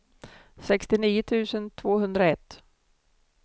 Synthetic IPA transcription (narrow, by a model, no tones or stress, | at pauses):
sɛkst̪ɪniːət̪ʰʉ̟ːsənt̪ʰvoːɦɵnd̪ɾaɛt̪ː